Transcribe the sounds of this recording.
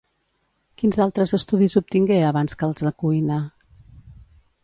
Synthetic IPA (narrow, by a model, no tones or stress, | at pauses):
kinzalˠt̪ɾəzəst̪uðizup̚t̪iŋɡeəβanskəlˠzðəkuijnə